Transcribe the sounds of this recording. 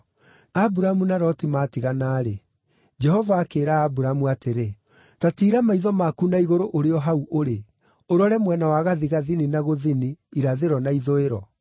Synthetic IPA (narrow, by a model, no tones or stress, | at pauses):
abuɾamunaɾɔtimaːtiɣanaːɾe | d͡ʒɛɦɔvaːkeːɾaːbuɾamuateɾe | tatiːɾamaiðɔmaːkunaiɣoɾoʔoɾeɔɦauʔoɾe | oɾɔɾɛmwɛnawaɣaðiɣaðininaɣoðiniːɾaðeɾɔnaiðoeɾɔ̰